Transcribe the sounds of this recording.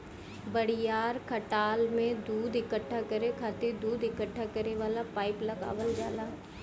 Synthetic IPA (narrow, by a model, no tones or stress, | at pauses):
bɐɽijaːɾkʰɐʈaːlmẽd̪uːd̪ɪkəʈʰːakɐɾekʰaːt̪iɾd̪uːd̪ɪkəʈʰːakɐɾeʋaːlapaːɪplɐɡa̰ːʋəld͡ʒa̰ːlaː